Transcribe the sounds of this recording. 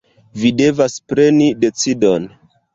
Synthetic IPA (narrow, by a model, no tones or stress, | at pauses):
vide̞vaspɾe̞nide̞t͡sido̞n